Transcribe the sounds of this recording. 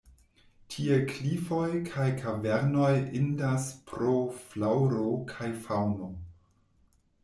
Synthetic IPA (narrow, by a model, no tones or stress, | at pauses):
tʰiekʰlifo̞jkʰajkʰaveɾno̞jindaspɾoflawɾokʰajfawno